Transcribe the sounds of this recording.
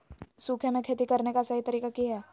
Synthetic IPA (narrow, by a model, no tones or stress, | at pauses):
suːkʰemẽkʰeːt̪ikɐɾnekasɐɦit̪ɐɾiːkakiɦɛː